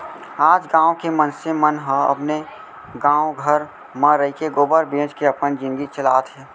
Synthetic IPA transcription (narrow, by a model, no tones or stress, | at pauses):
aːd͡ʒɡãːõkemənsemənɦə̃ɐ̰pne | ɡãːwoɡʱəɾ | mə̃ɾəikeɡoːbəɾbẽːt͡ʃkeəpənd͡ʒɪ̃nɡit͡ʃəlaːt̪ɦɛː